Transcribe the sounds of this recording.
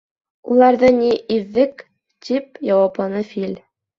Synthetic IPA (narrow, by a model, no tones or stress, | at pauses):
ulˠɑɾd̪ɤnʲiʔiðːɘk | tʲip̚jɑwɑpˠɑnɤfʲilʲ